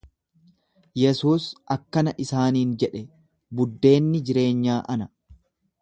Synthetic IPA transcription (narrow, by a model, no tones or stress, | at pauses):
jɛsuːsʔɐkːɐnɐʔɪsaːniːnd͡ʒɛᶑɛ | bʊd̪ːe̞ːnːɪd͡ʒɪɾe̞ːɲːaːʔɐnɐ